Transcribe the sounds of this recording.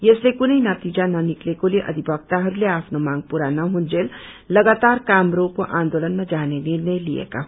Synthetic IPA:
jeslekʊnəinət̪iːd͡ʒanɐnɪklekolieʔɐ̰d̪ʱibək̚t̪aɦɐɾleaːpnomãːŋɡ̚puɾanɐɦũnd͡ʒeːl | lɐɡaːt̪aːɾkaːmɾoːkoʔãːnd̪oːlənmẽd͡ʒaːnenɪɾnəĩliḛka̰

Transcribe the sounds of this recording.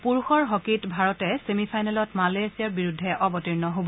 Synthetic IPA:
puɹuxɔɹɦɔkitbʱaɹɔtɛsemipʰajnɛlɔtmalesiaɹbiɹudʱːɛʔɔbɔtiɹnɔɦobɔ

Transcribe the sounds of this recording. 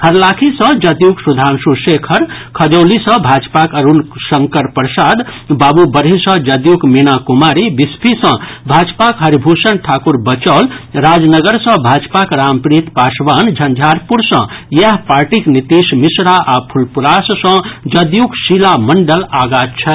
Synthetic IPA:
həɾlakʰisʌ̃d͡ʒəd̪juksud̪ʱansusekʰəɾkʰəd͡ʒəlisʌ̃bʱad͡ʒpakəɾunsəŋkəɾpɾsad̪babubəɾɦisə̃d͡ʒəd̪jukmenakumaɾibispʰisʌ̃bʱad͡ʒpakɦəɾibʱusənʈʰaːkuɾbət͡ʃəlɾad͡ʒnəɡəɾsʌ̃bʱad͡ʒpakɾampɾit̪pasʋand͡ʒʱənd͡ʒʱaɾpuɾsʌ̃jəɦpaɾʈiknit̪ismisɾaʔapʰulpuɾassʌ̃d͡ʒəd̪juksilaməɳɖəlaɡat̪t͡ʃʰɛ

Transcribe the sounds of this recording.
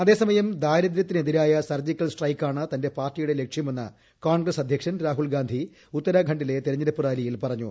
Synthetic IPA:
ɐðe̞ːsɐmɐjɐmd̪aːjɾɐðd̪ɾɐt̪ːineðiɾaːjɐsɐrd͡ʑikʲːɐlsʈrɐjkːaːɳɨt̪ɐnde̞paːrtːijuɽe̞le̞kʂjɐme̞nːɐ̰ | koːɳɡrɐsɐd̪ʱjɐkʂɐnɾaːɦulɡaːnd̪ʱi | ut̪ːɐɾaːɡʱɐɳɖile̞t̪eɾɐɲːɐɾɐpːuraːlijilpɐrɐɲːṵ

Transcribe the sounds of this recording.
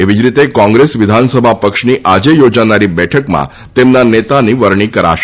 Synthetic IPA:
eʋid͡ʒɾit̪ekɔ̃ŋɡɾesʋɪd̪ʱansəbʱapəkʃniʔad͡ʒejod͡ʒanaɾibɛʈʰəkmã̰ | t̪emnanet̪aniʋəɾɳ̃ikəɾa̰ʃ

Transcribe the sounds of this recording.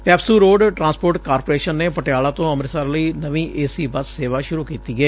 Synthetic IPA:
pɛːpsuːɾoːɖʈɾãːnspoːɾʈkaːɾpoːɾeːʃənːeːpəʈɪjaːlaːt̪õːəmɾsaːɾləiːnəʋĩːʔeːsiːbəsːeːʋaːʃʊɾuːkiːt̪iːɡeː

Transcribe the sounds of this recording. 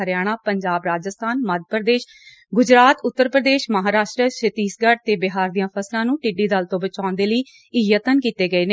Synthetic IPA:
əɾjaːɽ̃aːpəɲd͡ʒaːbɾaːd͡ʒəst̪ʰaːnməd̪̚pəɾəd̪eːʃ | ɡʊd͡ʒɾaːt̪ʊt̪ːəɾpɾəd̪eːʃməɦaːɾaːʃʈɾəʃɪt̪iːsɡəɽ̚t̪eːbɪɦaːɾd̪ijãːpʰəslãːnũːʈɪɖiːd̪əlt̪õːbət͡ʃaːʊnd̪eːləiː | ɪjət̪ənkiːt̪eːɡəeːne

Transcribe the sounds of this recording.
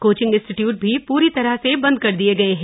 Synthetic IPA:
koːt͡ʃɪ̃ŋɡɪ̃nsʈɪʈjuːʈ̚bʱipuːɾit̪ɐɾəɦsebɐ̃nd̪̚kɐɾd̪ieɡɐeɦɛ̃ː

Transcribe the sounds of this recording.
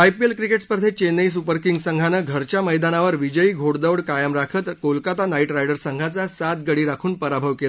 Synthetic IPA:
ajpielkɾikeʈspəɾd̪ʰʱet͡ɕenəjs̬upəɾkiŋɡsəŋɡʱanəɡʱəɾt͡ɕjaməjd̪anaʋəɾʋid͡ʑəiːɡʱoɽd̪əʋɽkajəmɾakʰət̪kolkat̪anaiʈɾajɖəɾsəŋɡʱat͡sasat̪̚ɡəɽiːɾakʰuːnpəɾabʱəʋkela

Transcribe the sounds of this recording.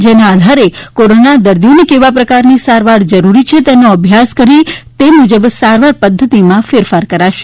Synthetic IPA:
d͡ʒenaːd̪ʱaɾekoɾonad̪əɾd̪ijonikeʋapɾəkaɾnisaɾʋaɾd͡ʒəɾuɾit͡ʃʰet̪enoəbʱjaskəɾit̪emud͡ʒəbsaɾʋaɾpəd̪ʱːət̪imãfeɾfaɾkəɾaʃe̥

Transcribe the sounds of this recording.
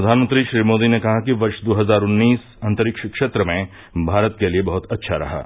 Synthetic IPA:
ɾɐd̪ʱaːnmə̃nt̪ɾiʃɾiːmoːd̪inekɐɦakiʋɐɾʃd̪oːɦɐzaːɾʊnːiːs | ɐ̃nt̪əɾɪkʃəkʃeːt̪ɾəmẽ | bʱaːɾət̪keliebɐɦʊt̪ɐtːʃʰaɾɐ̰ɦa̰ː

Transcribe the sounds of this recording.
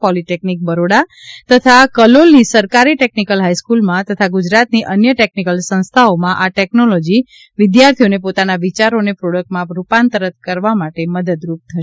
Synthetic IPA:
pɔliʈeknik̚bəɾoɽat̪ət̪ʰakəlolnisəɾkaɾiʈeknikəlɦaiskulmãt̪ət̪ʰaɡud͡ʒɾat̪niʔənjəʈeknikəlsə̃ñst̪ʰaomãʔaʈɛknolɔd͡ʒi | ʋɪd̪jaɾt̪ʰionepot̪anaʋit͡ʃaɾonepɾoɽək̚ʈmãɾupant̪əɾət̪̚kəɾʋamaʈeməd̪əd̪ɾup̚t̪ʰəʃe̥

